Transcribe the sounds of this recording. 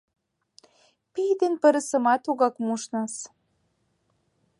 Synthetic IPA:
pijd̪enpə̆ɾə̆sə̆mɑt̪uɣɑkmuʃnɑs

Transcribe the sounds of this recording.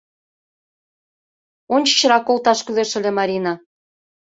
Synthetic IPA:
onʲt͡ɕə̥t͡ɕəɾɑkolt̪ɑʃkyleʃə̆lĕmɑɾʲinɑ

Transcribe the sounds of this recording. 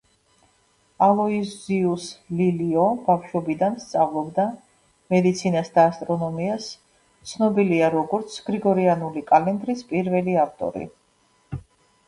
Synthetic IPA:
alˠɔiziusliliɔbafʃwɔbid̪anst̪sʼavlˠɔbd̪a | mɛd̪it̪sʰinasd̪aːst̪ʼɾɔnɔmias | t̪sʰnɔbiliaɾɔɡɔɾt̪sʰɡ̥ɾiɡɔɾianulikʼalɛnd̪ɾispʼiɾvɛliaft̪ʼɔ̰ɾḭ

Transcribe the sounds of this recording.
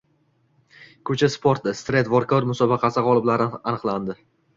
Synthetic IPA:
kʰɵt͡ʃʰaspʰoɾt̪ːɪst̪ɾet̪vɒɾkʰɒɾmʊsɒbɑqʰɑsɪʁɒlˠɪblaɾanɨqlˠand̪ɪ

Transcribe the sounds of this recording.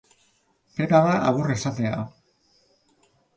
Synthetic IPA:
pepaðaʔaɣure̞sat̪e̞a

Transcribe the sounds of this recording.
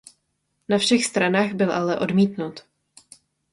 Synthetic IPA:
nafʃɛxst̪ɾanaːɣbɪlʔalɛʔo̞dmiːt̪nut̪

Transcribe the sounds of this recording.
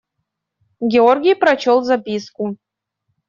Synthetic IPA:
ɡʲɛorɡʲɪjpɾɐt͡ɕolˠzapʲisku

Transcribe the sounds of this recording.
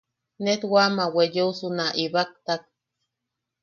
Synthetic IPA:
net̪wamawejousunaʔiβak̚t̪ak̚

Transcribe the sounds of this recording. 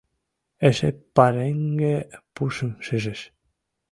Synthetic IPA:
esepaɾeŋɡepusəmseses

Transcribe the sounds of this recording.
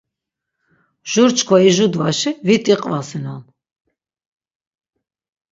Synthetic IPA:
ʒ̥uɾt͡ʃkʰwaiʒud̪vaʃivit̪ʼiqʼvasinɔn

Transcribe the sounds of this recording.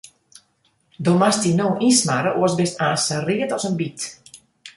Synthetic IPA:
domastinoːʔismaɾəʔuəsbɪstaːnsəriətɔsənbit

